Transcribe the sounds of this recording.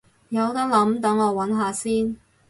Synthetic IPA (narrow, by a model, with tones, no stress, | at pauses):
jɐ˨˧wt̪ɐ˥k̚lɐ˨˥mt̪ɐ˨˥ŋɔː˨˧wɐ˨˥nɦaː˨˧siː˥n